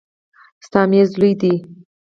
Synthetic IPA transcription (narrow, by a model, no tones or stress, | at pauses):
st̪ɑmjezlujd̪i